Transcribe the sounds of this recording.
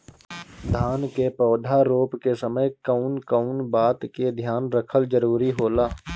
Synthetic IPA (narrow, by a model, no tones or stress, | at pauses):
d̪ʱaːnkepɔːd̪ʱaɾoːpkesəməjkəʊnkəʊnbaːt̪ked̪ʱjaːnɾəkʰəld͡ʒəɾuːɾiɦoːlaː